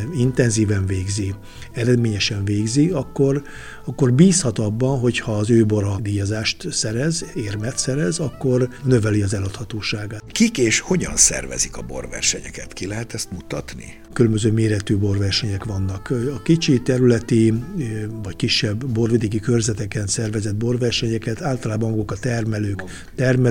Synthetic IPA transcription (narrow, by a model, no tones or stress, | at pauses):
int̪ɛnziːvɛɱveːɡzi | ɛɾɛd̪meːɲɛʃɛɱveːɡziɒkːo̞r | ɒkːo̞rbiːshɒt̪ɒbːɒnɦo̞chɒːzøːboɾɒd̪iːjɒzaːʃt̪sɛɾɛzeːrmɛt̪sɛɾɛzɒkːo̞rnø̞vɛliɒzɛlɒt̪hɒt̪oːʃaːɡaːt̪kikeːʃho̞ɟɒ̰nsɛ̰rvɛ̰zikɒbo̞̰rvɛ̰rʃɛɲɛ̰kɛt̪kilɛɦɛt̪ɛst̪mut̪ɒt̪nḭ | kylømbøzøːmeːɾɛt̪yːbo̞rvɛrʃɛɲɛkʋɒnːɒkɒkit͡ʃit̪ɛɾylɛt̪i | vɒckiʃːɛbːo̞rvid̪iɡikørzɛt̪ɛkɛnsɛrvɛzɛd̪̚bo̞rvɛrʃɛɲɛkɛt̪aːlt̪ɒlaːbɒmɡokɒt̪ɛrmɛløːk | t̪ɛrmɛ